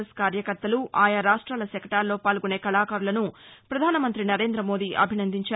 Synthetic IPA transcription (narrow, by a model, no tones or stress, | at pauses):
skaːɾjɐkɐɾt̪ːɐluʔaːjɐɾaːʂʈɾaːlɐsɐkʰɐʈaːlːo̞ːpaːlɡuneːkɐlaːkaːɾulɐnupɾɐd̪ʱaːnɐmɐnt̪ɾinɐɾeːnd̪ɾɐmo̞ːd̪iːʔɐ̰bʱinɐnd̪ʱiɲt͡ʃaː